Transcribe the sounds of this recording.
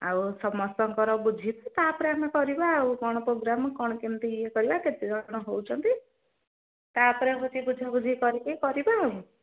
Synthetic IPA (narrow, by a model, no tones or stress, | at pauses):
a̰wsɔmɔst̪ɔŋkɔɾɔbud͡ʒʱit̪t̪apɔɾeamekɔɾibauɡɔɽ̃ɔpɾoɡɾamɔkɔɽ̃ɔkint̪iekɔɾibaket̪id͡ʒɔɽ̃ɔɦowt͡ʃʰɔnt̪i | t̪apɔɾepɔt͡ʃʰibud͡ʒʱabud͡ʒʱikɔɾikikɔɾibaaũ